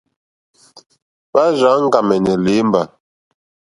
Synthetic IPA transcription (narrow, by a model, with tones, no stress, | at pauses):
ba˦ʒa˨˦ŋ̩˦ɡa˨mɛ˨nɛ˨le˨˦m˦ba˨